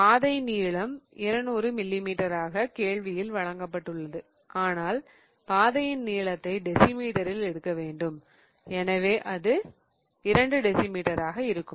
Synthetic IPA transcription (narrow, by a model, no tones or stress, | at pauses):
paːðɐɪniːɭɐmɪɾɐnuːɾɯmɪlːimiːʈɐɾaːɣɐkeːɭʋɪjɪlʋɐɻɐŋɡɐpːɐʈːɯɭːɐðɯ | ʔaːnaːl | paːðɐjɪnːiːɭɐt̪ːɐɪɖɪsɪmiːʈɐɾɪlɛɽɯkːɐʋeːɳɖɯm | ɛnɐʋeːʔɐðɯ | ɪɾɐɳɖɯɖɪsɪmiːʈɐɾaːɣɐɪɾɯkːɯm